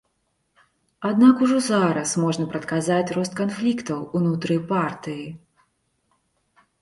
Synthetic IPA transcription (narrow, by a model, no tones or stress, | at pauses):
ad̪nakuʐɔzaɾɐsmɔʐnɐpɾɐt̪kazat͡sʲrɔst̪̚kanflʲikt̪ɐwunut̪ɾɨpart̪ɨji